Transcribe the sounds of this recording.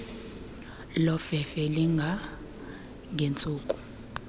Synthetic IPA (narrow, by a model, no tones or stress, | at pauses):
lɔfɛfɛliŋɡʱa | ŋɡʱent͡sʼuːkʼu̥